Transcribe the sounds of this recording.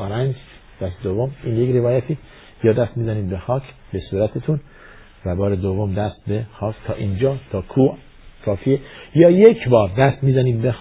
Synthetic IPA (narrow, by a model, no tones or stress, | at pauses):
ɾænd͡ʒ | d̪̥æst̪ed̪ovːomiːnjekɾevɒːjæt̪ʰiː | jɒːd̪æst̪miːzæniːd̪̚bexɒːcʰ | b̥e̞suːɾæt̪ʰet̪ʰun | væbɒːɾed̪ovːomd̪æst̪̚bexɒːkʰt̪ʰɒ̰ːʔind͡ʒɒːt̪ʰɒːkʰuːʔ | kʰɒːfiejɒːjekʰbɒːɾd̪æst̪miːzæniːd̪̚bex